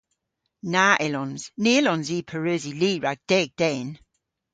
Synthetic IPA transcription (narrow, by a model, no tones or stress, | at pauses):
naːʔɪlɔnz̥niːlɔnziːpʰəɹøːziliːɹaɡ̥̚d̥ɛːɡ̚d̥ɛːn